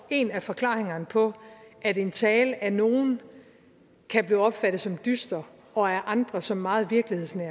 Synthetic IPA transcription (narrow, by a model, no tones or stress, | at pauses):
e̝næfɒ̽kʰlɑ̰̈ːʁeŋɐnəpʰɒ̽ʔæde̝nt͡sʰɛːlʔæno̝ːn̩ | kʰæb̥liːɒ̽b̥fæɾ̥ð̩ˠsɒ̽md̥ysd̥ɐ | ɒ̽æʔɑ̈nd̥ʁɐsɒ̽mːɑ̈ːð̞̩ˠʋiɐɡ̥lihe̝ðˠsnæɐ̰